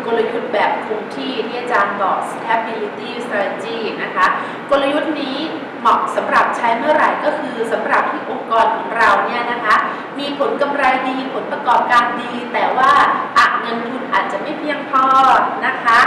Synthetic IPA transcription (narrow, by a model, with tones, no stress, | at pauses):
kɔ˥˧lɤː˧jkʰu˧t̚bɛː˨˩p̚kʰu˧ŋt̪ʰiː˥˩ni˥˩ɐt͡ɕaː˧nt̪ɔː˨˩k̚st̪ʰɛ˦˥b̚i˧li˧˥t̪iː˥˩st̪aː˧lt͡ɕiː˥˩na˦˥kʰa˦˥ | ko˧la˧ju˦˥t̪̚niː˦˥ | mɔ˨˩k̚sa˩˦mɾa˨˩p̚t͡ɕʰa˦˥jmɯ˥˩ɐɾa˨˩jkɔː˥˩kʰɯː˧sa˩˦mɾa˨˩p̚t̪ʰi˥˩ʔo˧ŋkɔː˧nkʰɔː˩˦ŋɾa˧wni˥˩ɐna˦˥kʰa˦˥ | miː˧pʰo˩˦nka˧mɾa˧jdiː˧pʰo˨˩˦npɾa˧kɔː˨˩p̚kaː˧ndiː˧t̪ɛː˨˩waː˥˩ʔa˧˩ŋɤː˧nt̪ʰu˧nʔaː˨˩t̪̚t͡ɕa˨˩ʔma˥˩jpʰi˥˩əŋt̪ʰɔː˥˩t̪̚na˦˥kʰa˦˥